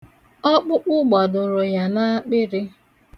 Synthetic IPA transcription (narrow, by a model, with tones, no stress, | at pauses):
ɔ˦k͡pʊ˦k͡pʊ˦ɡ͡bɔ˨dʊ˨ɾʊ˨ja˨na˦k͡pɪ˦ɾɪ˦